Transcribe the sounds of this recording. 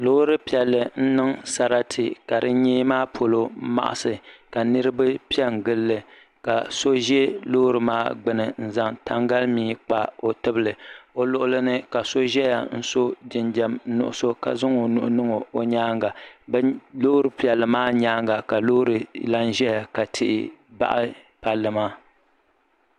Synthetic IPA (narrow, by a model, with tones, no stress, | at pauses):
loː˦ɾɨ˦pi˨ɛ˨lːɨ˨n̩˦nɨ˦ŋsa˨ɾa˦tʰɨ˨ka˨ɾɨ˦ɲeː˦maː˦pʰo˨lo˦ma̰˨ʔa̰˨sɨ˨ka˨nɨ˦ɾɨ˦ba˦pi˦ɛ˦ŋ˨ɡɨ˦lːɨ˨ | ka˨so˦ʒɛ˦lo˦ɾɨ˨maː˦ɡ͡bɨ˨nɨ˨n̩˦za˦ŋta̰˦ŋɡa˦lmiː˦k͡pa˦o˨tɨ˦bɨ˦lɨ˨o˨lʊ˨ʔʊ˦lɨ˦nɨ˦ka˨so˦ʒɛ˦ja˨n̩˦so˦dɪ˨nd͡ʒɛ˨m˦nʊ̰˨ʔʊ˦so˦ka̰˨zʊ˦ŋo˨nʊ̰˨ʔʊ˦nɨ˦ŋo˨o˨ɲaː˦ŋɡa˨˦ | loː˦ɾɨ˨pi˨ɛ˨lːɨ˨maː˦ɲaː˦ŋɡa˨ka˨loː˦ɾɨ˨la˦n˦ʒɛ˦ja˨ka˨tʰɪ˦ʔɪ˦˨ba̰˦ʔɪ˦ | pa˨lːɨ˦maː˦